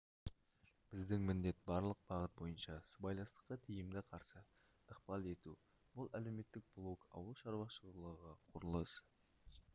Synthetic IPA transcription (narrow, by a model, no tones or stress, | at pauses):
b̥ɪzd̪ɪŋmɪnd̪e̞t̪bɑɾlˠəq̚b̥ɑʁət̪̚bo̞jənʃɑsəbɑjlˠɑnst̪ə̥qːɑt̪ʰijɪmd̪ɪqʰɑɾsə | əqpɑlˠe̞t̪u | b̥ʊlˠæle̞wme̞t̪ːɪk̚b̥lˠokɑ̰wəlˠʃɑɾwɑʃəlˠəʁɑqʰʊɾəlˠəs